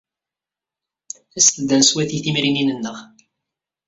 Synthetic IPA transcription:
æst̪d̪ːænswæθiθimɾininənːəʁ

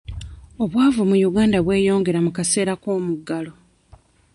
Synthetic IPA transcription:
o̞βwaːvumujuɡaːndaβwe̞ːjo̞ːŋɡe̞ɾamukase̞ːɾako̞ːmuɡːalo̞

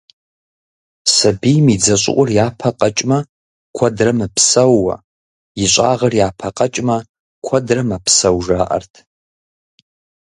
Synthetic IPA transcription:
sɐbijmid͡zɐɕʼɪ̰ʔʷʼʊrjaːpʰɐqɐt͡ʃʼmɐ | kʷʰɔdrɐmɨpʰsɐwːɐ̰ | jɪɕʷʼa̰ːʁɐrjaːpʰɐqɐt͡ʃʼmɐ | kʷʰɔdrɐmɐpʰsɐwʒaːʔɐ̰rtʰ

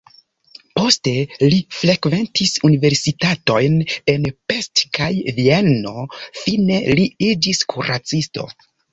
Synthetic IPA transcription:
po̞ste̞lifɾe̞kve̞ntʰisunive̞ɾsitato̞jne̞npe̞stkajvieno̞fine̞liid͡ʒiskʰuɾat͡sisto̞̰

